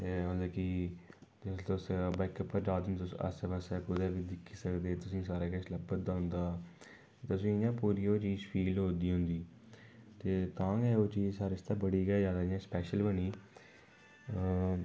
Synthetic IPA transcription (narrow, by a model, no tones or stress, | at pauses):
t̪eːɦõːnd̪eːki | ɪt̪ʊsbəɪkəpːəɾd͡ʒaːd̪ənʊsə̰sʋəsɛːpʊd̪ɛːʋiːd̪ɪkʰːiːsəkd̪eːt̪ʊsĩːsaːɾeːkəsləbət̪̚d̪aːɦʊ̃nd̪aː | t̪ʊsĩːɪjãːpuːɾiːoːt͡ʃiːzpʰiːlɦoːnd̪iːɦʊ̃nd̪iː | t̪eːt̪ãːɡɛːoːt͡ʃiːzsaːɾest̪aːbəɽiːɡɛːjaːd̪aːɪjãːspɛːʃəlbəniː